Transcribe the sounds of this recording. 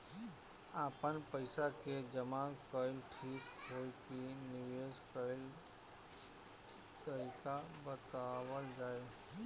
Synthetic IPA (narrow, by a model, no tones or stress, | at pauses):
aːpənpəɪsaked͡ʒəmakəɪlʈʰiːkɦoːjkinɪʋed͡ʒkəɪl | t̪əɾiːkabət̪awəld͡ʒaːjo